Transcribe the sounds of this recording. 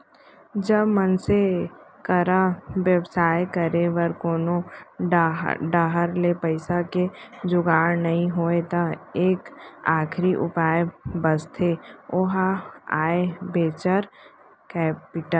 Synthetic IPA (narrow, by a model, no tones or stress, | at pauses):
d͡ʒəbmənsekəɾaʋjəbsaːjkəɾeʋəɾkoːno | ɖaːɦəɾlepɐɪsaked͡ʒʊɡaːɽnɐɦĩɦoːet̪aeːkaːkʰɾiʔʊpaːebəst̪ʰeoɦaaːebʱeːt͡ʃəɾ | kɛːpɪʈəl